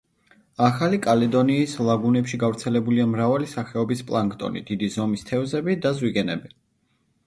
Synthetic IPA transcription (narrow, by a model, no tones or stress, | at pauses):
aχalikʼalɛd̪ɔniːslˠaɡunɛpʃiɡavɾt̪sʰɛlɛbuliamɾavalisaχɛɔbispʼlˠaŋkʼt̪ʼɔ̰nḭd̪̥id̪izɔmist̪ʰɛvzɛbid̪azwiɡɛnɛbi